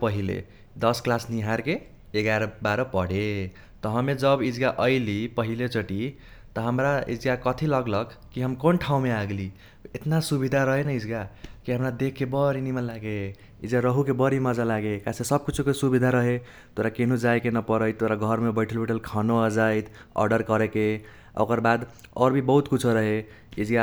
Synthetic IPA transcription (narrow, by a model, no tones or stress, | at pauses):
pʌɦilḛ | d̪ʌsklasniɦaɾkeː | ɡaɾɔbaɾʌpʌɽ̤e | t̪ʌɦʌmed͡ʒʌbid͡ʒɡaʔʌɪlipʌɦilet͡ʃʌʈi | t̪ʌɦəmɾaḭd͡ʒɡakʌt̪ʰilʌɡlʌkkiɦəmkonʈʰaũmeaɡli | et̪nasubid̪ʱaɾʌɦenaid͡ʒɡakiɦəmɾad̪ekʰːebəɾinimənlaɡe | id͡ʒɡaɾəɦukebəɾiməd͡ʒalaɡekasesəb̚kut͡ʃʰukesubid̪ʱaɾəɦe | t̪oɾakenud͡ʒajkenəpəɾəjt̪ːoɾaɡʱəɾmebəɪʈʰəlbiʈʰəlkʰanoad͡ʒajt̪ʰ | ɔ̰ɾɖəɾkəɾeke | o̰kəɾbad̪ɔɾbʱibəɦut̪kut͡ʃʰoɾəɦe | id͡ʒɡa